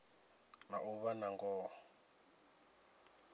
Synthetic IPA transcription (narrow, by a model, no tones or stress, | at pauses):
naʔuβanaŋɡɔː